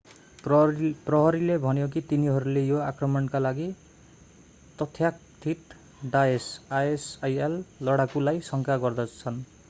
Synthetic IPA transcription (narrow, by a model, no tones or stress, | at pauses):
prʌɦʌɾilebʱʌnjok̬it̪iniɦʌɾulejoakrʌmʌnkalaɡi | t̪ʌt̪ʰjak̚t̪ʰit̪ | ɖaesaesajelːʌɽakulajsʌŋkʰaɡʌrd̪ʌt͡sʰʌn